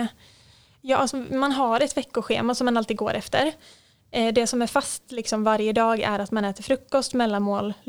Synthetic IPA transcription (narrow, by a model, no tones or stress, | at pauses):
jɑ̰ːsɔmanɦaɾɛt̪vɛkːʊɧḛːmasɔmːanalt̪iːd̪ɡo̰ːɾʔɛft̪əɾ | d̪ɛsɔmæɾfast̪lɪksɔmvaɾjəd̪ɑːɡæ̰ɾat̪manɛːt̪əɾfɾɵkːɔst̪mɛlːanmoːl